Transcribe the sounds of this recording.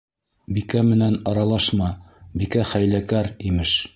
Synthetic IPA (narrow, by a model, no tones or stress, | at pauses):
bikæmɘ̆nænɑɾɑlˠɑʃmɑbikæχæjlækæɾimɘʃ